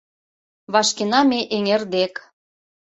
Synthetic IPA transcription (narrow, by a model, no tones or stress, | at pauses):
βɑʃkenɑmeʔeŋerd̪ek